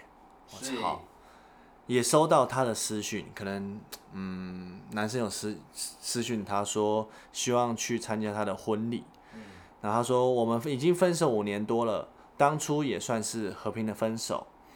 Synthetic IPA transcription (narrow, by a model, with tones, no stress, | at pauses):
ɔ˨xɑ̰˨˩˦ʊ | jɛ˨˩ʂo˥ʊt̪ɑ˥˩ʊt̪ʰa˥d̪ə˨sɹ̩˥ɕy˥˩nkʰɤ˨˩nə˧˦ŋn̩˥˩na˧˥nʂ̬ə˥njo˨˩ssɹ̩˦˥ɕy˥˩nt̪ʰa˥ʂwɔ˥ | ɕi˥wɑ˥˨˧ŋt͡ɕʰy˥˩t͡sʰa˦nt͡ɕja˥t̪ʰa˥d̪ə˨xwə˦nlḭ˨˩ | na˥˩t̪ʰa˥ʂwɔ˥wɔ˨˩mə˦ni˨˩t͡ɕi˥˦ŋfə˥nʂ̬o˨˩ʊu˨˩njɛ˧˥nt̪wɔ˥lə̰˨ | t̪ɑ˥ŋʈ͡ʂʰu˥jɛ˨˩swa˥˧nʂɻ̩˥˩xɤ˧˥pʰi˧˥ŋd̪ə˨fə˦˥nʂo̰˨˩˦ʊ